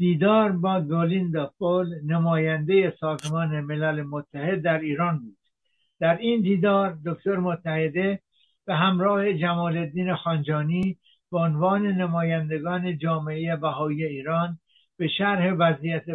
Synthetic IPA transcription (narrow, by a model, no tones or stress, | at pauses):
d̪̥iːd̪ɒːɾbɒːɡolind̪ɒpolnemɒːjænd̪e̞je̞sɒːzmɒːneme̞lælemot̪ʰːæhe̞d̪ːæɾiːɾɒːnbuːd̪̥ | d̪̥æɾind̪iːd̪ɒːɾd̪okt̪oɾemot̪ʰːæhe̞d̪e̞ | b̥eɦæmɾɒːhe̞d͡ʒæmɒːle̞d̪ːiːnexɒːnd͡ʒɒːniː | b̥eonvɒːne̞nemɒːjænd̪e̞ɡɒːne̞d͡ʒɒːmeejebæɦɒːiːje̞iːɾɒːn | b̥e̞ʃæɾhe̞væzijæt̪ʰe